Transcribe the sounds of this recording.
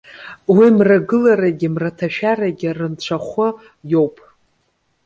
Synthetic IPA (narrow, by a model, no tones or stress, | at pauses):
wimraɡɨlaɾaɡʲɪmratʰaʃᶣaraɡʲɪrɨnt͡ɕʷʰaχʷʊ | jo̞wpʼ